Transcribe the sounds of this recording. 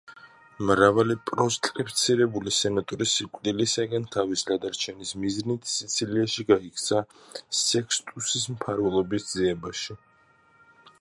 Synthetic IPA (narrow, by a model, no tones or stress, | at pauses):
mɾavalipʼɾɔst̪ʼɾipʰt̪sʰiɾɛbulisɛnat̪ʼɔɾisikʼd̪ilisaɡant̪ʰavislad̪aɾt͡ʃʰɛnismiznit̪ʰsit̪sʰiliaʃiɡaikʰt̪sʰa | sɛkʰst̪ʼusismpʰaɾvɛlˠɔbisd̪ziɛbaʃi